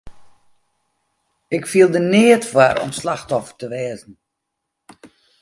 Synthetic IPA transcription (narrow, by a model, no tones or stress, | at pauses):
ɪkfiəlˠdənɪətfwarɔ̰mslaxtɔfə̥rtəʋɛːzn̩